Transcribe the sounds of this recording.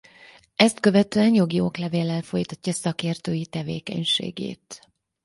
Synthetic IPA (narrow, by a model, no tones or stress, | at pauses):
ɛst̪køvɛt̪øɛnjo̞ɡio̰klɛveːlɛlfo̞jt̪ɒcːɒsɒkeːrt̪øːjit̪ɛvḛːkɛ̰ɲʃḛːɡḛːt̪